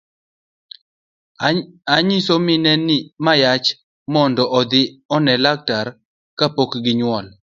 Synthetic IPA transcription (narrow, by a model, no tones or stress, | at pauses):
aɲɪsomɪnɛnɪmajat͡ʃ | mɔndɔʔɔd̪ɪɔnɛlak̚taɾ | kapokɡɪɲwɔl